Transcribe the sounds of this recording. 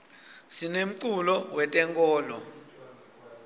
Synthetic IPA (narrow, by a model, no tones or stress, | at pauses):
sinem̩ǀulɔwɛtʼɛŋkʼɔːlɔ̰